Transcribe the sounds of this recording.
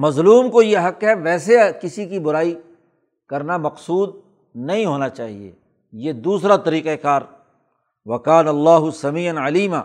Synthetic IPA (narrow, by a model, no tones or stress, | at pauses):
mɐzluːmkojeɦɐkɦɛʋɛːsekɪsikibʊɾaːi | kɐɾnamɐqsuːd̪̚ | nɐɦĩɦoːnat͡ʃaːɦḭḛː | jeːd̪uːsɾat̪ɐɾiːqekaːɾ | ʋɐkaːnɐlːaːɦʊsɐmiːɐnʕɐliːma̰ː